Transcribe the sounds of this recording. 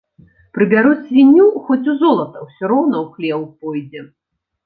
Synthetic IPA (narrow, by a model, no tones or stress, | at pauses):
pɾɨbʲaɾut͡sʲvʲinʲːuxɔt͡sʲuzɔlˠɐt̪ɐwsʲɔɾɔwnɐwxlʲɛwwpɔjd͡zʲɛ